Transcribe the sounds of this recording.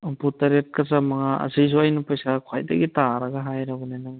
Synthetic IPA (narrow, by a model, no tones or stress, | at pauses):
ɔputaɾet̚kazamaŋaʔɐ̰zijzuajnapajsakʰwajda̰ɡitaɾaɡaɦajɾaɡunajnaŋ